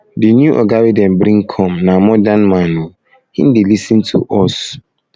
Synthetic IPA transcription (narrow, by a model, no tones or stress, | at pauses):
dɪnjũʔɔɡawidɛ̃nbɾĩŋkʰɔ̃mnãmɔdãnmãnũ | hḭ̃ndɪlisɨ̃ntʰṵʔɔs